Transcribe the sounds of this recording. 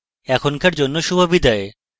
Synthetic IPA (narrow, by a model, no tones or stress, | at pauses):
ɛkʰonkaɾd͡ʑonːoʃubʱobid̪ɔe